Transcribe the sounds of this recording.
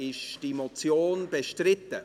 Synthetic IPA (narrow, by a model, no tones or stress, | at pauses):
ɪʃd̥imot͡sjoːnbeʃtrɪtə